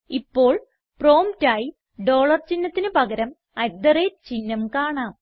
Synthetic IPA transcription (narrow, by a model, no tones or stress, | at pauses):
ipːo̞ːɭ | pro̞ːmtaːji | ɖo̞ːɭɐrt͡ɕinːɐt̪ːinɨpɐɣɐɾɐm | ɐjd̪ɐret͡ɕinːɐmkaːɳaːm